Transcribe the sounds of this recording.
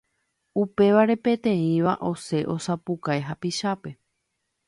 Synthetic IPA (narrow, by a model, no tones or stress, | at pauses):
upe̞ʋaɾe̞pẽ̞t̪ẽ̞ĩʋaʔo̞se̞ʔo̞sapukaeɦapiʃape̞